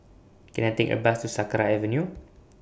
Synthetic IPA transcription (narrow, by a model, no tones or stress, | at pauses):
kɛ̃najt̪ɛ̃ŋkə̰bastusakɾaɛvə̃nju